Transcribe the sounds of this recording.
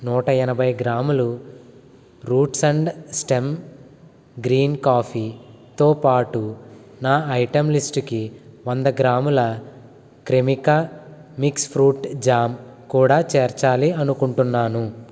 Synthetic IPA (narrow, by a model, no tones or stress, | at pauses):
nuːʈɐɛnɐbʱɐjɡɾaːmulu | ɾuːʈsɐɳɖsʈem | ɡɾiːnkaːpʰi | t̪oːpaːʈunaːɐjʈɐmlisʈkiʋɐnd̪ɐɡɾaːmulɐ | kɾemikɐmikspʰɾuːʈd͡ʒaːmkuːɽaːt͡ʃeːɾt͡ʃaːliɐnukuɳʈunːaːnu